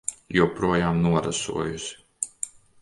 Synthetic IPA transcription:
jupɾuɔjaːmnuɔɾa̰sṵɔjus

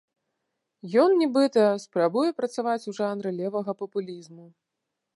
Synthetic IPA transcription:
jɔnnʲɛbɨt̪ɐspɾabujɛpɾɐt̪savat͡sʲuʐanɾɨlʲɛvɐɣɐpɐpulʲizmu

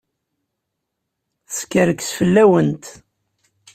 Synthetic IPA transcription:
θskːəɾəksfəlːæwənt̪

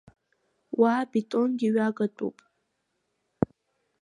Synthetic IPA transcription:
wabitʼonɡʲiɥaɡatʷʼṵpʼ

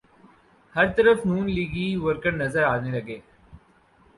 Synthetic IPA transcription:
hɐɾt̪əɾəfnuːnliːɡiʋəɾkəɽnɐzəɾaːnelɐɡeː

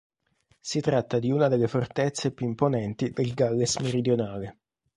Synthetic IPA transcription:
sit̪ɾat̪ːad̪iuːnad̪elːefort̪et̪sːepjuimponɛnt̪id̪elɡalːesmeɾid̪jonaːle

